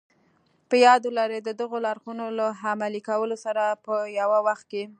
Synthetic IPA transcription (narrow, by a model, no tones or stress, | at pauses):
pəjɑd̪olaɾed̪əd̪əɣolaɾxunolaɦamalikawəlosaɾapəjawawaxt̪̚ke